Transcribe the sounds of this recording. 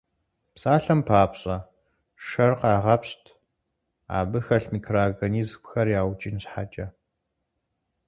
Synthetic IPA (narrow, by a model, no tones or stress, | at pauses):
psaːɬɐmpʰaːpɕʼɐ | ʂɐrqɑːʁɐpɕtʰ | a̰ːbɨxɐɬmiːkʰraːɡɐniːzpxɐrjaːwt͡ʃʼinɕħat͡ʃʼɐ